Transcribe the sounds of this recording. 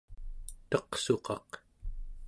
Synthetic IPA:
t̪ʌqso̞qɑq

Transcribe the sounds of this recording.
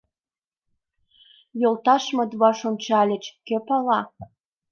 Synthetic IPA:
jolˠt̪ɑʃmɤ̆d̪βɑʃont͡ɕɑlʲĕt͡ɕkepɑlɑ

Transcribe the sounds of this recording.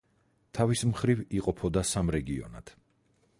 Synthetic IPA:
t̪ʰavismχɾiviqʼɔpʰɔd̪asamɾɛɡiɔ̰na̰t̪ʰ

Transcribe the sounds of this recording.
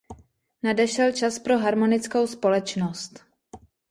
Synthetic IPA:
nadɛʃɛlt͡ʃaspɾo̞ɦaɾmo̞nɪt͡sko̞wspo̞lɛt͡ʃno̞st̪

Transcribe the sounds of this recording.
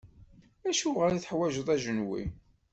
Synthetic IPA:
æʃuʁəɾiθəħwæʒəðˤæʒənwḭ

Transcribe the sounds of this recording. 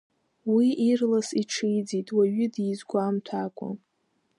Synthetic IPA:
wiʔirlasiʈ͡ʂʰɨjd͡zitʼwaɥɪdizɡʷamtʰakʷʼa̰

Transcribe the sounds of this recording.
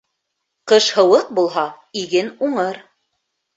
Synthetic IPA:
qɤʃhɤ̆wɤq̚bulˠɦɑ | iɡɘnuɴɤɾ

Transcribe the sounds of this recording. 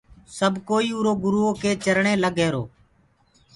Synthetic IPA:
səbʱkoːiːuːɾoːɡʊɾuːɦoːkeːt͡ʃəɾɳeːləɡʱeːɾo̰ː

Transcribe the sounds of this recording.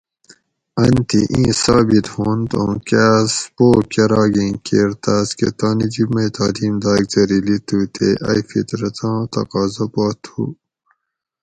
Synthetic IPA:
ɐnt̪iʔĩːsaːbit̪hoːnt̪õ̰kaːspoːkeɾɑːɡĩkeːɾt̪aːskḛt̪aːnid͡ʒimɐt̪aːd̪iːmd̪aːɡzɐɾilit̪uːt̪ʰeʔɐ̰jfḭt̪ɾɐt̪ʰãːt̪ɐ̰qɑːzɐpaːt̪ʰṵː

